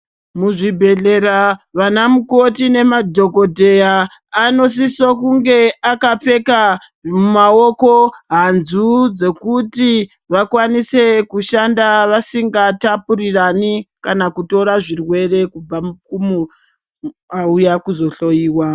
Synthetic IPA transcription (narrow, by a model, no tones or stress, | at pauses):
muʐibʱe̞ɮe̞ɾaʋanamuko̞tine̞madʱo̞ɡo̞dʱe̞jaː | no̞s̬isokuŋɡe̞akap͡fe̞ka | mumaoko̞ɦanzud͡ze̞kuti | ʋakwanise̞kuʃandaʋasiŋɡatapuriranikanakuto̞ɾaʐirwe̞re̞kub͡vakumu | aujakuzo̞ɬo̞jiːwa